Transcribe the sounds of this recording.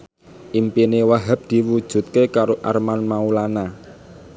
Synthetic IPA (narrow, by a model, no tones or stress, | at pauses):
ʔimpinewaɦə̤p̚d̪̥i̤wud̥ʒ̥ṳt̪̚kekaɾoʔarmanmaulana